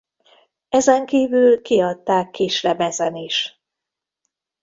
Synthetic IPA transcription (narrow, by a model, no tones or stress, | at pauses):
ɛzɛŋkiːvylkiɒt̪ːaːkːiːʃlɛbɛzɛniʃ